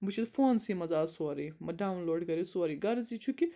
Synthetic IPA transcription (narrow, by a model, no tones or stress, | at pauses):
but͡ʃʰit̪foːnsimɐzaːswɐɾimɐɖawnloːɖɡɐɾiswaɾiɡɐɾzit͡ʃʰuki